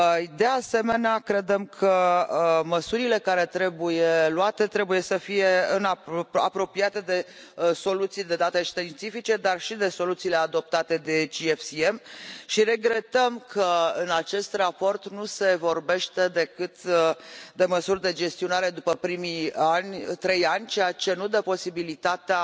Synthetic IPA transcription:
d̪e̞ase̞me̞neakɾe̞d̪e̞mkʰə | məsuɾile̞kaɾe̞t̪ɾe̞bujeluat̪e̞t̪ɾebuje̞səfije̞ɨnaa̰pɾo̞piat̪e̞d̪e̞ | so̞lut̪sijd̪e̞d̪at̪e̞ʃt̪int̪sifit͡ʃe̞d̪arʃid̪e̞so̞lut̪siːle̞ad̪o̞p̚t̪at̪e̞d̪e̞t͡ʃiefsiemʃiɾe̞ɡɾe̞t̪əmkʰəɨnat͡ʃe̞st̪rapo̞rt̪nuse̞vo̞rbe̞ʃt̪e̞d̪e̞kɨt̪ | d̪e̞məsurʲd̪e̞d͡ʒe̞st̪io̞naɾe̞d̪upəpɾimianʲt̪ɾe̞janʲt͡ʃejat͡ʃe̞nud̪epo̞sibilit̪at̪ea

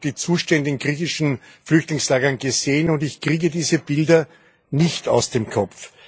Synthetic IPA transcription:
d̥iːt͡suːʃtɛndəɪnɡʁiːçɪʃn̩ | flʏçtlɪŋslaːɡɐnɡəz̥eːənʊndɪçkʁ̥iːɡədiːzəb̥ɪldɐ | nɪçtʰa̰ʊsd̥eːmkʰɔf

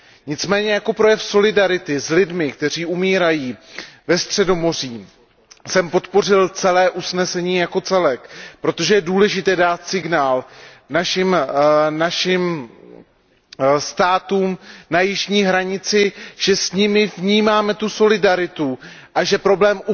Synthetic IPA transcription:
ɲɪt͡smɛːɲɛjako̞pɾo̞jɛfso̞lɪdaɾɪt̪ɪzlɪdmɪkt̪ɛr̝iːʔumiːɾajiːvɛst̪r̝̥ɛdo̞mo̞r̝iː | sɛmpo̞t̪po̞r̝ɪlt͡sɛlɛːʔusnɛsɛɲiːjako̞t͡sɛlɛkpɾo̞t̪o̞ʒɛjɛduːlɛʒɪt̪ɛːdaːt̪sɪɡnaːl | naʃɪmnaʃɪm | st̪aːt̪uːmnajɪʒɲiːɦɾaɲɪt͡sɪʒ̥ɛsɲɪmɪvɲiːmaːmɛt̪uso̞lɪdaɾɪt̪u | ʔaʒɛpɾo̞blɛːmu

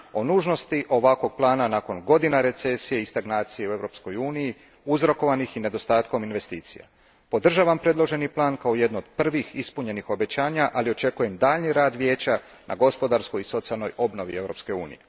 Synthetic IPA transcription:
o̞nuːʒno̞st̪iʔo̞ʋakʋo̞ɡ̚plˠaːnanako̞nɡo̞d̪inaɾe̞t̪se̞sijeist̪aɡnaːt̪sije̞ue̞ʋɾo̞psko̞juːniji | uzɾo̞ko̞ʋanixine̞d̪o̞st̪aːt̪ko̞minʋe̞st̪iːt̪sḭja̰ | po̞d̪r̩ʒaːʋampɾe̞d̪lˠo̞ʒe̞niplˠaːnkao̞je̞d̪nood̪̥̚pr̩ʋixispuɲe̞nixo̞be̞t͡ɕaːɲaʔalio̞t͡ʃe̞kuje̞md̪aːʎniɾaːd̪ʋje̞ːt͡ɕa | nʔa̰ɡo̞spo̞d̪aɾsko̞jiso̞t̪sialˠno̞jo̞bno̞ʋie̞vɾo̞pske̞ṵːnḭje

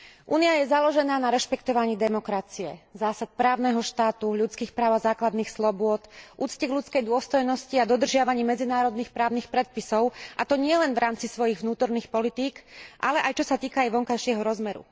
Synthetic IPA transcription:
ʔuːniajɛzalɔʒɛnaːnaɾɛʃpɛkt̪ɔʋaɲiːd̪ɛmɔkɾat͡siɛ̰zaːsat̪̚pɾaːʊnɛɦɔʃt̪aːt̪uʎut͡skiːxpɾaːʊazaːklad̪niːxslɔbʊɔt̪ʔuːt͡scɛɣʎut͡skɛjd̪ʊɔst̪ɔjnɔsciad̪ɔd̪r̩ʒɪaʋaɲiːmɛd͡zinaːɾɔd̪niːxpɾaːʊniːxpɾɛt̪̚pisɔʊʔat̪ɔɲɪɛlɛnʋɾʔaːmt͡sisʋɔjiɣʋnuːt̪ɔɾniːxpɔlit̪iːkʔalɛʔajt͡ʃɔsat̪iːkaːjʋɔŋkajʃɪɛɦɔɾɔzmɛɾṵ

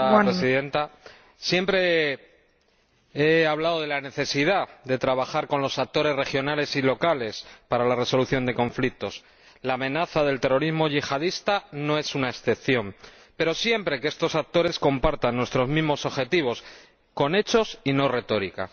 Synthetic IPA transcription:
pɾesiðe̞nt̪a | sje̞mpɾe̞ | e̞aβ̞laðoð̞e̞lane̞θe̞sið̞aðe̞t̪ɾaβ̞axaɾko̞nlo̞sak̚t̪o̞ɾe̞zre̞xjo̞nale̞silo̞kale̞spaɾalare̞so̞luθjo̞nd̪e̞ko̞ɱflik̚t̪o̞s | laːmẽ̞naθaðe̞lt̪e̞ro̞ɾizmo̞ʝixaðist̪ano̞e̞sunaesθe̞pθjo̞m | pe̞ɾo̞sje̞mpɾe̞kee̞st̪o̞sak̚t̪o̞ɾe̞sko̞mpaɾt̪anːwe̞st̪ɾo̞zmizmo̞so̞βxe̞t̪iβ̞o̞s | ko̞ne̞t͡ʃo̞sino̞re̞t̪o̞ɾika̰

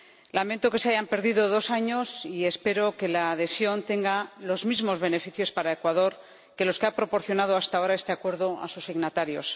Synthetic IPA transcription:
lament̪o̞ke̞seaʝampe̞ɾðiðoðo̞saɲo̞sie̞spe̞ɾo̞ke̞laːðe̞sjo̞nt̪e̞ŋɡalo̞zmizmo̞zβe̞ne̞fiθjo̞spaɾae̞kwaðo̞ɾ | ke̞lo̞skeapɾo̞po̞ɾθjo̞nað̞oast̪ao̞ɾae̞st̪e̞akwe̞ɾðo̞a̰susiɣnat̪aɾjo̞̰s

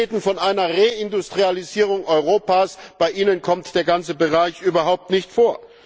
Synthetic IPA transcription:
eːdn̩fɔnʔaɪnɐʁeɪndʊstʁ̥ializiːʁ̞ʊŋʔɔʏʁoːpaːsb̥aɪʔiːnənkʰɔmtd̥eːɐɡant͡səbəʁaɪçʔyːbɐɦaʊp̚tnɪçtfoːɐ

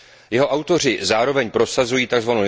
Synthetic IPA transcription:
jɛɦoʔawt̪o̞r̝ɪzaːɾo̞vɛɲpɾo̞sazujiːt̪aɡzvano

